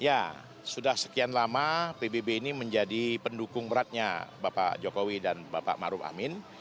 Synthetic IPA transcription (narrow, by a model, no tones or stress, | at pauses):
ja | sudahsə̥kianlamapebebeiniməɲd͡ʒadipəndukʊŋbəɾat̪̚ɲa̰bapa̰d͡ʒokowidanbapa̰ʔmaɾʊfa̰mɪn